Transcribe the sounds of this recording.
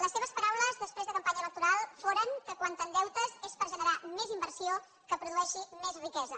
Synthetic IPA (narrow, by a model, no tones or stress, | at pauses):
ləsːeβ̞əspəɾawləzðəspɾezðəkəmpaɲələk̚t̪uɾalˠfoɾəŋkəkwant̪ənd̪ɛwt̪əzespəɾʒənəɾamezimbərsio | kəpɾuðuɛʃimezrikɛzə